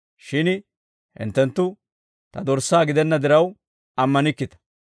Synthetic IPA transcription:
ʃɪn | hɪ̰nt̪ːɛnt̪ːʊ | t̪ɐd̪ɔɾsːaːɡɪd̪ɛnːɐd̪ɪɾɐw | ɐmːɐnɪkːɪt̪ɐ̥

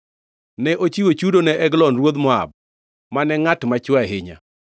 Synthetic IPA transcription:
nɛʔot͡ʃiwot͡ʃudonɛʔɛɡlɔnrwod̪mɔa̰b̚ | manɛŋatmat͡ʃwaɦɪɲa̰

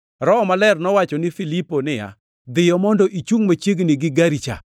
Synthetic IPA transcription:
ɾɔmalɛrnɔwat͡ʃɔnɪfiliponɪja̰ | d̪ɪjɔmɔndɔʔit͡ʃuŋmat͡ʃeɡnɪɡɪɡaɾit͡ʃa̰

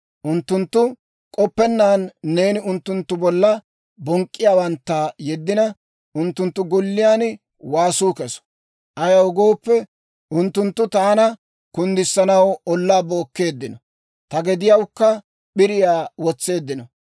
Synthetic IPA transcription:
ʔʊnt̪ːʊnt̪ːʊ | kʼɔpːɛnːaːnːe̞ːnɪʊnt̪ːʊnt̪ːʊbɔlːɐ | bɔŋkʼːɪjaːwɐnt̪ːɐjɛd̪ːɪnɐ | ʔʊnt̪ːʊnt̪ːʊɡʊlːɪjaːn | waːsuːkɛsɔ̥ | ʔɐjɐwʊɡo̞ːpːɛ | ʊnt̪ːʊnt̪ːʊt̪aːnɐ | kʊnd̪ɪsːɐnɐwɔlːaːbo̞ːkːe̞ːd̪ːɪnɔ | t̪ɐɡɛd̪ɪjɐwkːɐ | ɓɪɾɪjaːwɔt͡sːe̞ːd̪ːɪnɔ

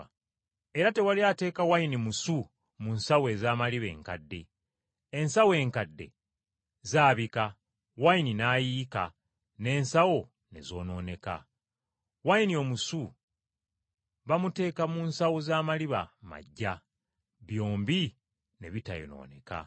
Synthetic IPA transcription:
e̞ɾate̞waliaːte̞ːkawajinimusu | munsawe̞ːzaːmaliβe̞̰ːŋkadːe̞ː | nsawe̞ːŋkadːe̞̰ | zaːβika | wajininaːjiːka | ne̞ːnsawo̞ | ne̞̰zo̞ːno̞ːne̞ka̰ | wajinio̞musu | βamute̞ːkamunsawozaːmaliβa̰ma̰ɟːa | βjo̞ːmbi | ne̞βitajo̰no̞̰ːne̞̰ka̰

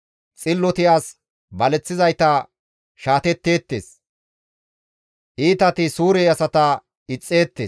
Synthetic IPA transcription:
t͡sʼɪlːɔt̪ɪaːs | bɐlɛt͡sːɪzɐjt̪ɐ | ʃaːt̪ɛt̪ːe̞ːt̪ːḛːs | ʔiːt̪ɐt̪ɪsuːɾeɐsɐt̪ɐ | ɪt͡sʼːe̞ːt̪ːeː

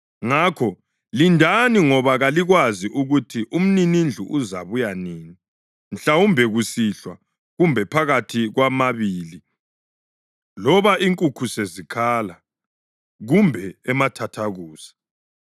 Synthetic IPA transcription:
ŋaːkʰɔ | lindʱaniŋɔβaɣaliɣwaziʔuɣutʰiʔum̩ninind͡ɮʱṵʔuza̰βujaniːni | n̩ɬawumbʱɛɣusiɬwa | ɣumbʱɛpʰaɣatʰiɣwamaβiːli | lɔβaʔiŋkʼukʰusezikʰaːla | ɣumbʱɛɛmatʰatʰaɣuːsḁ

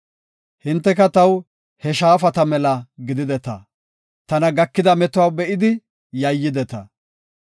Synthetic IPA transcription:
hɪnt̪ːɛkɐt̪ɐw | hɛʃaːfɐt̪ɐmɛlɐɡɪd̪ɪd̪ɛt̪ɐ̰ | t̪ɐnɐɡɐkːɪd̪ɐmɛt̪ʊwawbɛʔɪd̪ɪ | jɐjːɪd̪ɛt̪ɐ

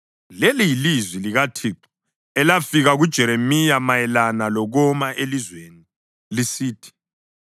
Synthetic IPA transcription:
lɛlijilizwiliɣatʰiːǁu̥ | ɛlafiɣaɣud̥ʒ̥ʱɛɾemijamajɛlanalɔɣɔmaʔelizweːni | lisiːtʰi̥

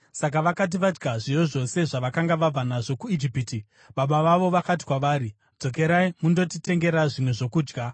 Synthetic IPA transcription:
sak̬aʋakat̬iʋad͡ʒɡaʐijoʐo̞se̞ʐaʋakaŋɡaʋab͡vanaʐo̞kuid͡ʒipiti | ɓaɓaʋaʋo̞ʋakat̬i̥kwaʋaːɾi | d͡zo̞k̬e̞ɾaimundo̞tite̞ŋɡe̞ɾaʐimwe̞ʐo̞kuːd͡ʒɡa

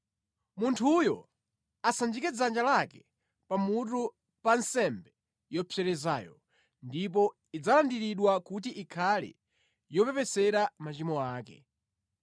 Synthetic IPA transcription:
muntʰujɔ | asand͡ʒikɛd͡zand͡ʒalakɛ | pamut̬u | pansɛmbɛ | jɔpʰɛɾɛza̰ːjɔ̰ | ndip̬ɔ | id͡zalandiɾiɗwakut̬iʔikʰalḭ | jɔpɛpɛsɛɾamat͡ʃimɔaːkɛ̰

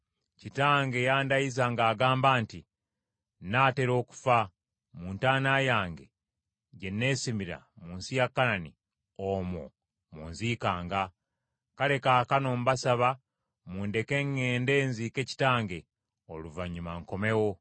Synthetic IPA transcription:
citaːŋɡe̞jaːndajizaŋɡaːɡaːmbaːnti | naːte̞ɾo̞ːku̥fa | muːntaːnajaːŋɡe̞̰ | ɟe̞nːe̞ːsimiɾa̰muːnsijakːanani | omo̰ | muːnziːkaːŋɡa | kale̞kaːkano̞mbasaβa | muːnde̞ke̞ŋːeːnde̞ːnzike̞ci̥taːŋɡe̞ | oluvaɲːumaŋko̞me̞wo̞

